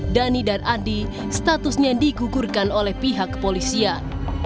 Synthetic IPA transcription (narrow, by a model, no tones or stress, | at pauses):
danidarandi | st̪at̪usɲadiɡuɡurkanolɛhpiɦakpolisian